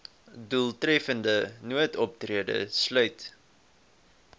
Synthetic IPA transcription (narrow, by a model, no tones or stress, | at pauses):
dulˠtrɛfəndənuətɔp̚triədə̰slœɥt